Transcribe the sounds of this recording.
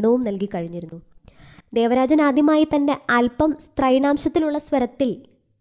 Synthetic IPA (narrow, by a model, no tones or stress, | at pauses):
ɳɐʋumnɐlkikɐɻiɲːiɾunːud̪e̞ːʋɐɾaːd͡ʑɐnaːd̪ʱjɐmaːjit̪ɐnde̞ɐlpɐmst̪rɐjɳaːmɕɐt̪ːiluɭːɐswɐɾɐt̪ːil